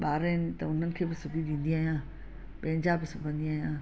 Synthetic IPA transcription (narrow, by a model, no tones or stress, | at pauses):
ɓaːɾənɪ̆t̪ɐʊn̤ənɪ̆kʰeːbɪsʊbʱiɗ̪ĩːn̆d̪iaːɦijãː | pɐ̃ɦɪ̃ɲd͡ʑabɪsʊbʱə̃nd̪iaːɦijãː